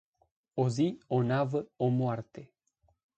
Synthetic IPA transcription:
o̞zio̞navəomoart̪e̞

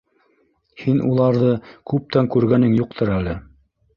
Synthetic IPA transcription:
hinʔṵlˠɑɾðɤkʉp̚t̪æŋkʉɾɡænɘŋjuq̚t̪ʰɤɾælɘ

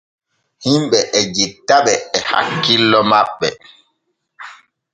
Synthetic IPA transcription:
himɓɛʔɛd͡ʒitːaɓɛːha̰kːilːɔmaɓːɛ̰

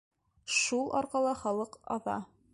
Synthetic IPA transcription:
ʃulˠʔɑ̰ɾqɑlˠɑχɑlˠɤqɑ̰ðɑ̰

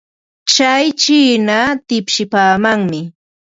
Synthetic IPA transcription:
t͡ʃajt͡ʃiːnat̪ɪpʃɪpaːmaŋmɪ

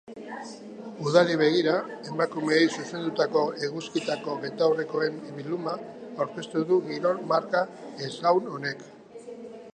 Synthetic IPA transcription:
uðaliβ̞e̞ɣ̞iɾae̞makume̞jsuse̞nd̪ut̪ako̞e̞ɣuskit̪ako̞βe̞t̪awreko̞e̞mβilumaːwɾke̞st̪uðuɣiɾo̞ɾmaɾkaesawno̞ne̞k

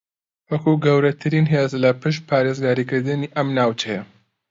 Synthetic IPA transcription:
wɐkuɡɐwɾɐt̪ʰɨɾiːnɦeːzlɐpɨʃ̬t̪̚pʰaːɾeːzɡaːɾiːkɨɾd̪ɨniːʔɐmnaːwt͡ʃɐjɐ

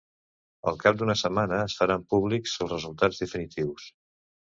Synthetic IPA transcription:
ə̰lˠkap̚d̪unəsəmanəːsfəɾampuβlikz̥əlˠzrəzulˠt̪ad͡zd̪əfinit̪iws

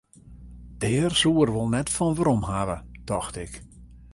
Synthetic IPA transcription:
d̥ɛːrsuərʋolˠnɛtfɔnʋəɾɔmhavəd̥ɔxtɪk

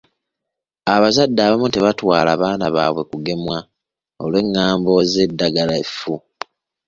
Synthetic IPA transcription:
aβazadːaːβamuteβatwaːlaːβaːnaβaːβwe̞kuɡe̞mwa | o̞̰lwe̞ŋːaːmbo̞ze̞dːaɡalaefu

